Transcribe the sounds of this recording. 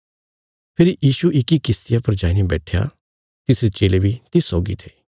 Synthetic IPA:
pʰɪɾijiːʃuʔɪkikɪst̪ɪjapɐɾd͡ʒaːinibɛːʈʰeja̰ | t̪ɪsɾet͡ʃeːlebʱit̪ɪsːɔːɡḭt̪ʰeː

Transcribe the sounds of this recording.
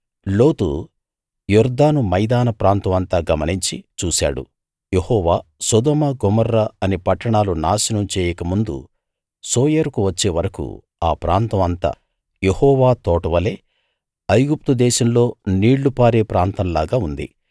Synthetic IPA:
lo̞ːt̪ṵ | jɔɾd̪aːnumɐjd̪aːnɐpɾaːnt̪ɐmɐnt̪aːɡɐmɐniɲt͡ʃit͡ʃuːsa̰ːɽṵ | jehɔːʋaːsɔd̪ɔːmɐɡɔmɐɾːɐɐnepɐʈːɐɳaːlunaːsinɐmt͡ʃeːjɐkɐmund̪ṵ | soːjɐɾkuʋɐt͡ʃːe̞ːʋɐɾɐkṵ | aːpɾaːnt̪ɐmɐnt̪a̰ː | jehɔːʋaːt̪ɔːʈɐʋɐle̞ː | ɐjɡup̚t̪ud̪ɛːʃɐmlo̞ːniːɽːupaːɾeːpɾaːnt̪ɐmlaːɡaːund̪ḭ

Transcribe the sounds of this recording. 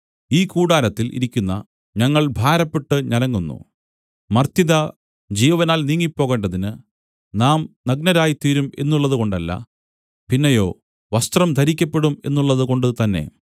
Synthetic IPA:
iːkuːɽaːlɐt̪ːilʔḭɾikʲːunːɐ̰ | ɲɐŋːɐɭbʱaːɾɐpːe̞ʈːɨɲɐlɐŋːunːṵ | mɐrt̪iðɐ | d͡ʑiːʋɐʋɐnaːlniːŋːipːo̞ːɣe̞ːɳɖɐðinɨ | naːmnɐɡ̚nɐɾaːjit̪iːɾume̞nːuɭːɐðuko̞ɳɖɐlːɐ̰ | pinːɐjo̞ː | ʋɐst̪rɐmd̪ʱɐɾikʲːɐpːe̞ɽume̞nːuɭːɐðuko̞ɳɖɨt̪ɐnːe̞̰

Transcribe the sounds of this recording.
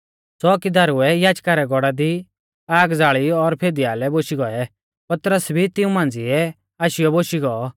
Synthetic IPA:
sɔkid̪aːɾʊɛjaːd͡ʒkaɾɛɡɔɽad̪i | aːɡd͡zaːɭiɔɾpʰeːd̪iaːlɛboːʃiɡɔɛ | pɐt̪ɾəsbʱit̪ɪũmãːnd͡ziɛ | aːʃɪjɔboːʃiɡɔː

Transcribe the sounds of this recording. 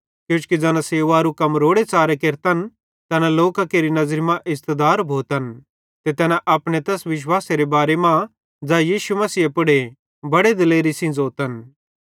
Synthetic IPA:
kjũːt͡ʃu̥kid͡zɐːnaseːʋaɾukɐmɾoːɽet͡saːɾekeːɾt̪ən | t̪ɛːnãloːkakeːɾinɐzɾimãʔɪst̪əd̪aːɾbʱoːt̪ən | t̪et̪ɛːnaʔɐpɽ̃et̪ɛsʋɪʃ̬waːseɾebaːɾemã | d͡zaːjiːʃumɐsiːepʊɽe | bɐɽed̪ɪleːɾisĩd͡zoːt̪ən

